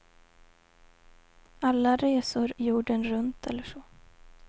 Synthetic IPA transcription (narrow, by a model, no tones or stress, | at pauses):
alːaɾeːsʊɾjuːɖənɾɵnt̪ʰɛ̰lːəʂɔ